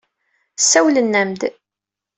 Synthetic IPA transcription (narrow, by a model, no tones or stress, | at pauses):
sæwlənːæmd̪